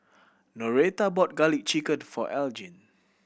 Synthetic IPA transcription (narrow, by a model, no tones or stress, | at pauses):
nɔɹet̪abɔt̚ɡalik̚t͡ʃikə̃nfɔ̰ʔɛld͡ʒĩn